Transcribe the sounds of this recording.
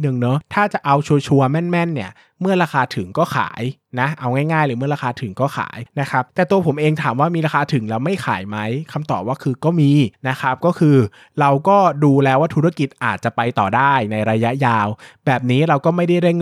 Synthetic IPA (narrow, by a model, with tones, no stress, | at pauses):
nɯ˨˩ŋnɔ˦˥t̪ʰaː˥˩t͡ɕa˨˩ʔa˧wt͡ɕʰu˧ət͡ɕʰu˧ɐmɛ˥˩nmɛ˥˩nːi˦˥˩ɐ | mɯ˥˩ɐɾaː˧xaː˧t̪ʰɯ˩˦ŋkɔː˥˩xʰa̰ː˩˦j | na˦˥ʔa˧wŋaː˥˩jŋaː˥˩jlɯː˩˦mɯ˥ɐɾaː˧xʰaː˧t̪ʰɯ˨˩˦ŋkɔː˥˩xʰa̰ː˩˦jna˦˥kʰɾa˦˥p̚t̪ɛː˨˩t̪u˧ɐpʰo˩˦mʔeː˧ŋt̪ʰaː˩˦mwaː˥˩miː˧ɾaː˧aː˧t̪ʰɯ˨˩˦ŋlɛː˦˥wma˥˩jxʰa̰ː˩˦jma˦˥jkʰa˧mt̪ɔː˨˩p̚waː˥˩kʰɯː˧kɔː˥˩miː˧na˦˥kʰɾa˦˥p̚kɔː˥˩kʰɯː˧ | ɾa˧wkɔː˥˩duː˧lɛː˦˥waː˥˩t̪ʰu˦˥ɾa˥˩ki˨˩t̪̚ʔaː˨˩t̪̚t͡ɕa˨˩pa˧jt̪ɔː˨˩daː˥˩jna˧jɾa˧ja˦˥ʔjaː˧wbɛː˨˩p̚niː˦˥ɾa˧wkɔː˥˩ma˥˩jda˥˩jɾe˥˩ŋ